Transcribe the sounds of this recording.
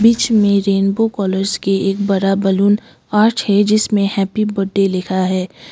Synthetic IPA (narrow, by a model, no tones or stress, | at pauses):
biːt͡ʃmẽɾeːnbokɔːləɾzkeeːk̚bɐɾabɐluːn | aːɾʈhɛd͡ʒɪsmẽhɛːpibɐɖːelɪkʰaɦɛː